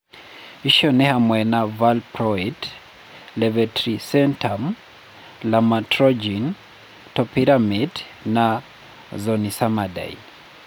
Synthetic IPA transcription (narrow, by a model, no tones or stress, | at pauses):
iʃɔnɛhamwɛnavalpɾɔit | lɛvɛtɾisɛntʰam | lamatɾɔd͡ʒin | tɔpiɾamid | na | zɔnisamada̰ḭ